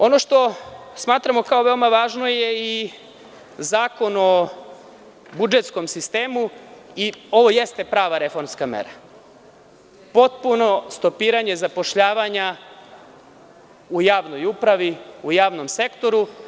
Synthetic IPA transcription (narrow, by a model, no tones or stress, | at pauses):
o̞no̞ʃt̪o̞smaːt̪ɾamo̞kao̞ʋe̞omaʋaːʒno̞je̞i | zaːko̞no̞ | bud͡ʒet̪sko̞msist̪e̞ːmuio̞ʋo̞je̞st̪e̞pɾaːʋaɾe̞fo̞ɾmskamḛɾa | po̞t̪̚puno̞st̪o̞piːɾaɲe̞zapo̞ʃʎaːʋaɲa | ujaːʋno̞jupɾaʋiujaːʋno̞mse̞kt̪o̞ɾu